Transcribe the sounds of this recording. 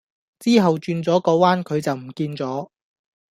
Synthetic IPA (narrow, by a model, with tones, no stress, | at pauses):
t͡siː˥ɦɐ˨wt͡ʃyː˧nt͡sɔː˨˥kɔː˨˧˥waː˥nkʰɵ˨˧ɥt͡sɐ˨wm̩˨˩kiː˧nt͡sɔː˨˥